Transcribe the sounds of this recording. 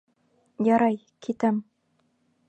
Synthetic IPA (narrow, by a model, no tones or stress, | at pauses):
jɑɾɑj | kʰit̪æm